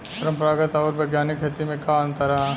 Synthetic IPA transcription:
pɐɾə̃mpɾaːɡət̪ɔːɾbɐɡjaːnɪkɦet̪imẽkaːɐ̃nt̪ɐɾa

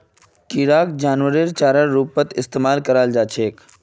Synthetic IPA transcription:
kiːɾaːkd͡ʒaːnʋəɾiɾt͡ʃaːɾəɾuːppət̪ɪst̪eːmaːlkəɾaːld͡ʒaːt͡ʃʰeːk

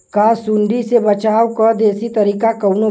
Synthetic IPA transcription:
kasuɳɖisebɐt͡ʃaːwkɐɾd̪eːsit̪ɐɾiːkakɐwno

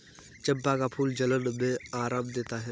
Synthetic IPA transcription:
t͡ʃɐ̃mpakapʰuːld͡ʒɐlənbẽaːɾãːmd̪eːt̪aɦɛ

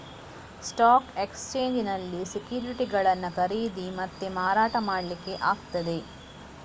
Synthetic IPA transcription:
sʈaːkekst͡ʃeːɲd͡ʒinɐlːisikjuːɾiʈiɡɐɭɐnːɐkɐɾiːd̪imɐt̪ːemaːɾaːʈɐmaːɽɐlikːe̞ʔaːɡt̪ɐd̪e̞

